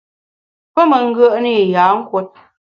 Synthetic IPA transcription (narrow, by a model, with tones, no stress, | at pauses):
pə˦mə˨ŋ̩˦ɡə˦ʔni˦˨jaː˨˦ŋ̩˦kwo˦t̚